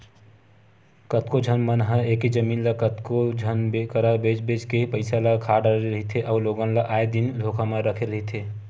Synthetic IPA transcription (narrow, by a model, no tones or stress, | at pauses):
kət̪kod͡ʒʱənmənɦə̃eked͡ʒəmiːnlakət̪kod͡ʒʱənbekəɾabed͡ʒbed͡ʒkepəɪsalakʰaːɖəɾeɾəɦit̪ʰeʔɔːloɡə̃nlaʔaːed̪inlʱokamẽɾəkʰeɾəɦit̪ʰe